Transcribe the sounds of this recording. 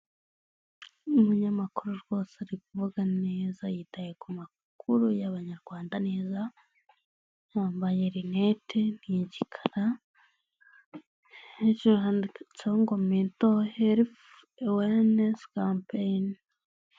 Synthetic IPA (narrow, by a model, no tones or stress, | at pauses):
umuɲamakuɾuɾɡwo̞ːseɾikuvuɡaneːzajitajekuma | kʰuɾujaβaɲaɾɡwaːndaneːza | jaːmbaje̞ɾinetʰeniɟikʰḁɾa | et͡ʃuɾuhandit͡soŋɡomintoheɾif | eweneskampejn